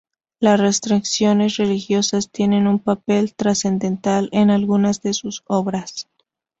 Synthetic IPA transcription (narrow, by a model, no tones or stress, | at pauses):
lasre̞st̪ɾiksjo̞ne̞sre̞lixjo̞sast̪je̞ne̞numpape̞lt̪ɾase̞nd̪e̞nt̪alenalɣunazðe̞suso̞βɾas